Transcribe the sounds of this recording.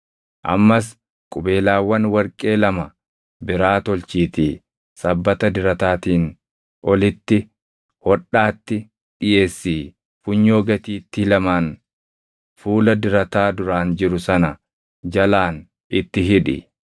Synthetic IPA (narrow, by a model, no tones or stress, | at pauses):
ʔɐ̰mːɐs̬ | kʼʊbe̞ːlaːwːɐnwɐɾkʼe̞ːlɐmɐ | bɪɾaːt̪ɔlt͡ʃiːt̪iː | sɐbːɐt̪ɐd̪ɪɾɐt̪aːt̪iːn | ʔɔlɪt̪ːɪ | wɔᶑːaːt̪ːɪ | ᶑɪje̞ːsːiː | fʊɲːoːɡɐt̪iːt̪ːɪlɐmaːn | fuːlɐd̪ɪɾɐt̪aːd̪ʊɾaːnd͡ʒɪɾʊsɐnɐ | d͡ʒɐlaːn | ɪt̪ːɪɦɪᶑɪ̰